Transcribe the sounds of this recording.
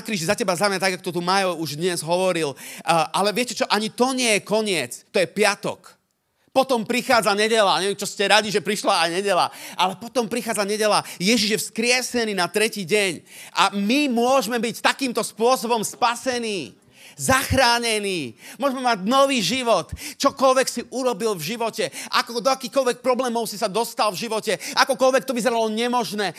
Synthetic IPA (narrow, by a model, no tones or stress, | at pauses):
akɾiːʒizacɛbazamat̪aɡakɔ̥t̪ɔt̪̬umajɔuʒd̪ɲɛzɦɔʋɔɾilʔalɛʋɪɛcɛt͡ʃɔʔaɲit̪ɔɲɪɛjɛkɔɲɪɛt͡st̪ɔjɛpɪat̪ɔ̰k | pɔt̪ɔmpɾixaːd͡zaɲɛɟɛlaɲɛʋɛmt͡ʃɔscɛɾaɟiʒɛpɾiʃlaajɲɛɟɛla̰ʔalɛpɔt̪ɔmpɾixaːd͡zaɲɛɟɛlajɛʒiʒjɛfskɾɪɛsɛniːnat̪ɾɛciːɟɛɲʔamimʊɔʒmɛbict̪akiːmt̪ɔspʊɔsɔbɔmspasɛniː | zaxɾaːɲɛniːmʊɔʒɛmɛmaɟnɔʋiːʒiʋɔt̪t͡ʃɔkɔlʋɛksiʔuɾɔbilvʒiʋɔcɛʔa̰kɔd̪ɔakiːxkɔlʋɛk̚pɾɔblɛːmɔʊsisad̪ɔst̪alvʒiʋɔcɛʔakɔkɔlʋɛk̚t̪ɔʋizɛɾalɔɲɛmɔʒnɛː